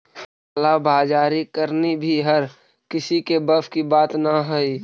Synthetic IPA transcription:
alabaːd͡ʒaːɾikəɾnibʱiɦɐɾ | kɪsikebəfkibaːt̪naɦʊiː

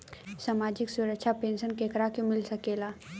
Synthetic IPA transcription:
saːmaːd͡ʒɪksʊɾəkʃʰapẽːnsənkeːkɾakemɪlsɐkeːlaː

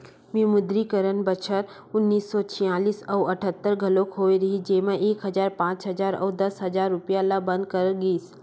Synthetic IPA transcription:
mimʊd̪ɾikəɾənbət͡ʃʰəɾ | ʊnːiːsːɔt͡ʃʰĩjaːliːsɐwɐʈʰət̪ːəɾɡʱɐloːkɦoːiɾɐɦid͡ʒeːmãeːkɦɐd͡ʒaːɾpãːt͡ʃɦɐzaːɾɐ̰ːd̪ɐsɦɐzaːɾːʊpijalabɐ̃nd̪̚kɐɾɡiːs

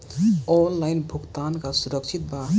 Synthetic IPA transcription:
ɔlːajnbʱukt̪ankasuɾʌkt͡ʃʰit̪̚ba

